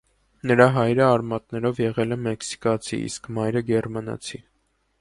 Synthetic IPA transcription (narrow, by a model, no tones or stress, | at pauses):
nəɾɑɦɑjɾəɑɾmɑt̪nɛɾɔvjɛʁɛlɛmɛksi̥kɑt͡sʰḭḭskmɑjɾəɡɛrmɑnɑ̰t͡sʰi